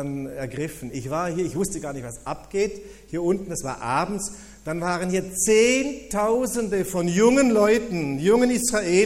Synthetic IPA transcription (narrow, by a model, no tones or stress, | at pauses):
nɛɐɡʁɪfn̩ɪçv̥aːɐhiːɐɪçv̥ʊstəɡaːɐnɪçtv̥asʔapɡ̥eːt | hiːɐʔʊntn̩dasv̥a̰ːɐʔaːbm̩s | d̥anvaːʁənhiːɐt͡seːntʰaʊzəndəfɔnjʊŋənlɔʏtn̩jʊŋənɪsʁaʔeː